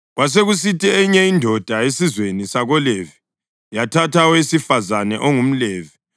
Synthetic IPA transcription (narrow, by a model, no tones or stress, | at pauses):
ɣwas̬eɣus̬itʰʼiɛɲɛindʱɔd̥ʱaesizwenisaɣɔlevi | jatʰatʰawesifazanɛʔoŋum̩leːvi